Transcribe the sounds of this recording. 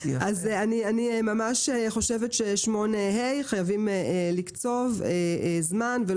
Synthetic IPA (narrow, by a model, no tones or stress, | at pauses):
ʔazanianimamaʃeχo̞ʃevet̪ʃejɛʃmo̞nehejχajavimelikt͡so̞vezmanve